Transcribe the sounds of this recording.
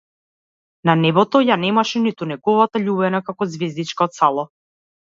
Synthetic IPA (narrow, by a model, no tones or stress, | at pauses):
nanɛbɔt̪ɔjanɛmaʃɛnit̪unɛɡɔvat̪aʎubɛnakakɔzvɛzd̪it͡ʃkaɔt̪salˠɔ